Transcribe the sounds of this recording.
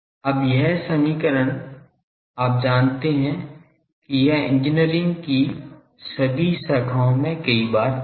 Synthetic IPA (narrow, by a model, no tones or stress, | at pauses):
ɐbjɛɦsɐmiːkəɾən | aːp̚d͡ʒaːnt̪eɦɛ̃ | kijɛɦɪ̰̃nd͡ʒɪniəɾɪ̃ŋɡki | sɐbʱisɐkʰaõmẽkɐibaːɾ